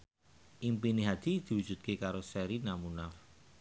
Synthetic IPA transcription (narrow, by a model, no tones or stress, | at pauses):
ʔimpineɦad̪̥i̤d̪̥i̤wudʒ̥ṳt̪̚kekaɾosɛɾinamunaf